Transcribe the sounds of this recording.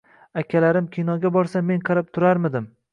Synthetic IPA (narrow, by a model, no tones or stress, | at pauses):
akʲʰalaɾɪmkʲʰinɒɡʲabɒɾsamːenqʰɑɾap̚t̪ʰʊɾaɾmɪd̪ɪm